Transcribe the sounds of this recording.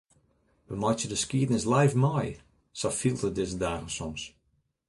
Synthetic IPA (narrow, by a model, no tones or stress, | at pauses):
ʋəmɔtjədəskiədnɪslɛjfmɔj | sɔfilˠtədɪs̬ədaːɣəsɔms